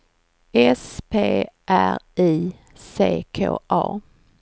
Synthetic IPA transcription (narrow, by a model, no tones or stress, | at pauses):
ɛspʰeːʔæɾiː | seːkʰoːʔɑː